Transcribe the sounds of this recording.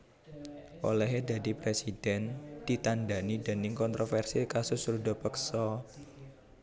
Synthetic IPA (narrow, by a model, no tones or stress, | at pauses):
ʔo̰lɛɦeda̤dipɾesid̥ɛnd̪̥it̪andanidə̤nɪŋkɔnt̪ɾofɛrsikasʊsrudɔpəksɔ